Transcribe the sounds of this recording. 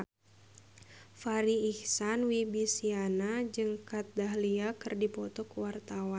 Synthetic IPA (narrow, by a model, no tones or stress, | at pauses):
faɾiihsanwibisianad͡ʒɨŋkat̪̚daɦliakɨrdipɔt̪ɔkwart̪awan